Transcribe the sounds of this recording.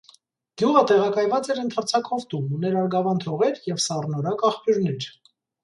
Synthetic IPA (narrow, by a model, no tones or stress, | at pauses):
ɡ̥juʁət̪ɛʁɑkɑjvɑt͡sɛɾənt̪ʰɑɾt͡sʰɑkhɔvt̪umunɛɾɑɾɡɑvɑnt̪ʰɔʁɛɾjɛvsɑrnɔɾɑkɑχpjuɾnɛɾ